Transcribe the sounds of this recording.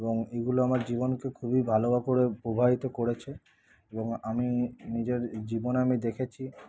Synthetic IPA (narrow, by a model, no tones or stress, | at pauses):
eboŋeɡuloamaɾd͡ʑibonkekʰubibʱaloakoɾepobʱaɦit̪okoɽet͡ɕʰe | eboŋaminid͡ʑeɾd͡ʑibonamid̪ekʰet͡ɕʰi